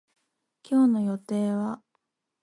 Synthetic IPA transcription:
kʲo̞ːno̞jo̞t̪e̞ːβa

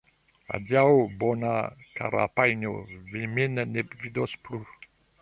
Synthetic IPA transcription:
a̰d̪jaobonaka̰ɾa̰pajno̰vemenanepvid̪osplu

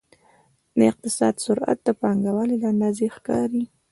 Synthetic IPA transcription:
d̪əɪq̚t̪ɪsɑ̰d̪sʊɾʔa̰t̪̚d̪əpɑŋɡawalelaand̪ɑzexkɑɾi

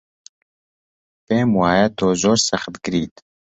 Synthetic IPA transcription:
p̪eːmwaːjɛt̪ʰoːzoːɾsɐxt̪ɡɨɾiːt̪

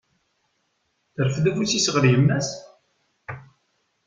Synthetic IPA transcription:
θəɾəfðæfusisəʁɾjəmːæs

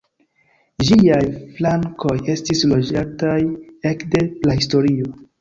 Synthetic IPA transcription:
d͡ʒiajflaŋko̞je̞stislo̞d͡ʒataje̞kde̞plahisto̞ɾio̞

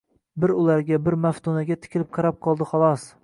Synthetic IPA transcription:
bɪɾʊlaɾɡʲabɪɾmaft̪ʰunaɡʲat̪ʰɪ̥kʲʰɪlɪp̚qʰɑɾap̚qʰɒlˠd̪ɪχɒlˠɒs

